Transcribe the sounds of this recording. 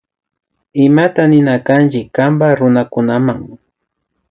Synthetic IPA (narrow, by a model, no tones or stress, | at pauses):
ɪmat̪anɪnakant͡ʃɪkːambaɾʊnakʊnamaŋ